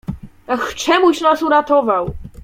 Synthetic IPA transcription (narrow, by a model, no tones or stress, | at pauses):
axt͡ʂɛmuɕnasuɾat̪ɔvaw